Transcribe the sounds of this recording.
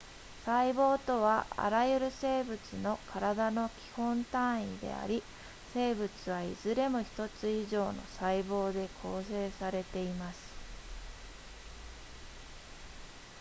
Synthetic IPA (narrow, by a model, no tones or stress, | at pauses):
saibo̞ːt̪o̞β̞aʔa̰ɾajɯ̟ɾɯ̟se̞ːbɯ̟t͡sɨno̞kʰaɾad̪ano̞kʲi̥hõ̞nt̪ãɰ̃id̪e̞̰a̰ɾʲi | se̞ːbɯ̟t͡sɨβaḭzɨɾe̞moçi̥t̪o̞t͡sɨiʑo̞ːno̞̰saibo̞ːd̪e̞kʰo̞ːse̞ːsaɾe̞t̪e̞imasɨ̥